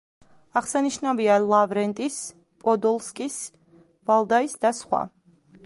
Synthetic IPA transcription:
aʁsaniʃnavialˠavɾɛnt̪ʼis | pʼɔd̪ɔlˠskʼis | valˠd̪aisd̪asχwa̰

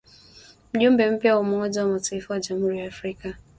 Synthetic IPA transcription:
m̩d͡ʒom̩bem̩pjawʊmʊŋɔd͡ʒɔmɔtɪfɔd͡ʒamʊɾiafɾika

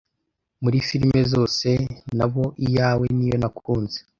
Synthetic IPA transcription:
muɾifiɾme̞zo̞ːse̞naβo̞ʔijaːwe̞nijo̞nakuːnze̥

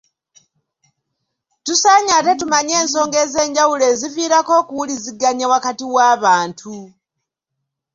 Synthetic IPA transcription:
tusaːɲate̞tumaɲe̞ːnso̞ːŋɡe̞ːze̞ːɲɟawule̞ːziviːɾako̞ːkuwuliziɡaɲawakatiwaːβaːntʰu

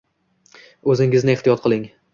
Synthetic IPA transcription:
ɵzɪŋɪznɪeht̪ijɒt̪̚qʰɨlˠɪŋ

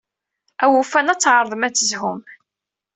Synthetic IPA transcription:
æwufænæt͡sːʕəɾˤðˤəmæt͡sːəzɦʊm

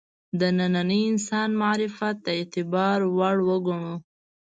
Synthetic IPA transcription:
d̪ənananəjɪnsɑnmaɾɪfat̪̚ːaet̪ɪbɑɾwaɽwəɡuɳu

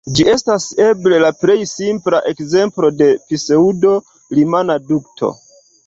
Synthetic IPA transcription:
d͡ʒie̞stase̞ble̞lapɾe̞jsimplaʔe̞kze̞mplo̞de̞fise̞udo̞ | limanaduktʰo̞̰

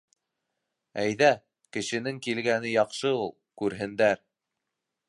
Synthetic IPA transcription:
æjðæ | kɘ̆ʃɘ̆nɘŋkilɡænɘjɑqʃɤulˠkʉɾɦɘ̆nd̪æɾ

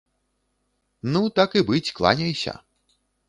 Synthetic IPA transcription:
nut̪akɨbɨt͡sʲklˠa̰nʲɐjsʲɐ̰

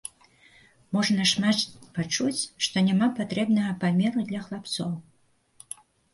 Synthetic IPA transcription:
mɔʐɐnɐʂmapat͡ʂut͡sʲʂt̪ɔnʲamapat̪ɾɛbnɐɣɐpamʲɛɾud̪lʲɐxlˠapt̪sɔw

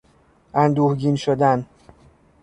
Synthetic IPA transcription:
ʔænd̪uːhɟinʃod̪æn

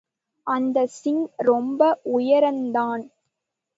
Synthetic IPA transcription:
ʔɐnd̪ɐsɪŋɾɔmbɐʔʊjɐɾɐnd̪aːn

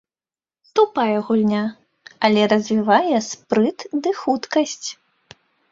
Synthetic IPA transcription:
st̪upajɛɣulʲnʲa | ɐlʲɛɾɐzʲvʲivajɛspɾɨt̪d̪ɨxut̪kɐsʲt͡sʲ

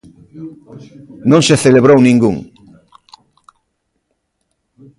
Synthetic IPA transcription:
nõŋseθeleβɾownĩŋɡṵŋ

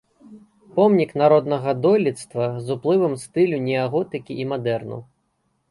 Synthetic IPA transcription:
pɔmnʲiknaɾɔd̪nɐɣɐd̪ɔlʲit̪st̪vɐzuplˠɨvɐmst̪ɨlʲunʲiɐɣɔt̪ɨkʲiʔimad̪ɛrnɐ̰w

